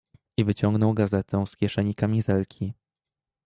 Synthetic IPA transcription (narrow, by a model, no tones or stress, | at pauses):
ivɘt͡ɕɔŋɡnɔwɡazɛt̪ʰɛ̃skʲjɛʂɛɲikamʲizɛlkʲʰi